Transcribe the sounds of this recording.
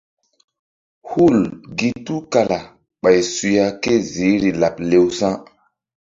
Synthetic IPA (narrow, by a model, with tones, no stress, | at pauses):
hu˦˨lɡi˦tu˦ka˨la˨ | ɓa˨jsu˨ja˨ke˦zi˨˦ɾi˨la˨p̚le˦wsã˦